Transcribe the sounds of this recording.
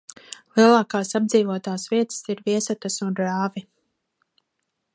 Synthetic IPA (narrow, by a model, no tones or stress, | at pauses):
lˠiɛlˠaːkaːsabd̪ziːvuɔt̪aːsviɛt̪siɾviɛsat̪asunɾaːvi